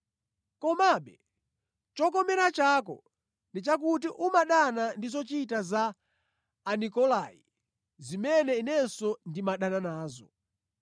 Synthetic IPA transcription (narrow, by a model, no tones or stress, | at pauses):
kɔmaɓɛ | t͡ʃɔk̬ɔmɛɾat͡ʃaːkɔ̰ | ndit͡ʃak̬ut̬iʔumaɗanandizɔt͡ʃitazaː | nikɔlaḭ | zimɛnɛinɛsɔndimaɗananaːzɔ̰